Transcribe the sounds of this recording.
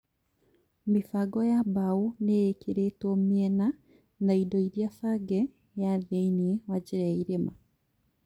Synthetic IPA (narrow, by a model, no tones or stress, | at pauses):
mifaɡɔjabaunejekeɾetɔmiɛna | naidɔiɾjafaɡɛ | jaðeiniewaɟiɾaiɾema